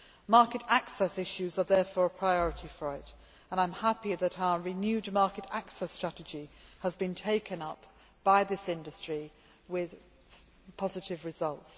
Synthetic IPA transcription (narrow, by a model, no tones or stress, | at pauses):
mɑˑkɨtaksɛsɪʃʉzəðɛːfɔːɹəpʰɹ̥aɪɔɹɨtʰifəɹɪt | ə̃ñãɪ̃mhapiðəɾaʊəɹɪnjʉdmɑˑkɨɾaksɛstɹ̥atɨd͡ʒiəzbĩntʰeɪkʰə̃nʌp | b̥aɪðɪsɪ̃ndəstɹ̥i | wɪð̥ | pʰɒzɨtɪvɹɪzʌlˠts